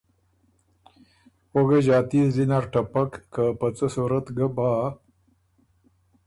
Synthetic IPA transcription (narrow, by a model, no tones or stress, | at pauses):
oɡeʑɑːt̪izinaɾʈapakːapət͡səsuɾat̪ɡabaː